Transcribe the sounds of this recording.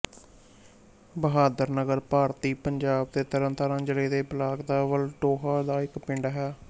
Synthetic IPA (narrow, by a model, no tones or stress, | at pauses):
bəɦaːd̪əɾnəɡəɾpaːɾt̪iːpəɲd͡ʒaːb̚d̪eːt̪əɾə̃nt̪aːɾãːd͡ʒəleːd̪eːbəlaːɡd̪aːʋəlʈoːɦaːd̪aːɪkpɪɳɖɦɛː